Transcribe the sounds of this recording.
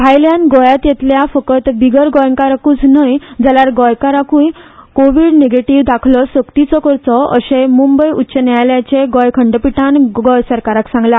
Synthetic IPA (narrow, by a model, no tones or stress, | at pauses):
bʱajljanɡɔjat̪jet̪ljafəkət̪biɡəɾɡɔjəŋkaɾakuːt͡snəjd͡zalaɾɡɔjkaɾakũjkoʋiɽneɡeʈiʋd̪akʰlɔsəkt̪it͡sɔkəɾt͡sɔə̰sẽmumbəjutːɕənjajljat͡ɕeɡɔjkʰəɳɖəpiʈʰanɡɔjsəɾkaɾaksãŋɡla